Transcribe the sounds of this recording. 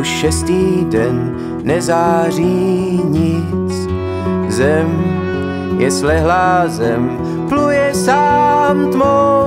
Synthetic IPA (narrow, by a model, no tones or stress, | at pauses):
uʃʃɛst̪iːdɛnː | ɛzaːriɲɪt͡s | zɛm | jɛslɛɦlaːzɛm | plujɛsaːmt̪mo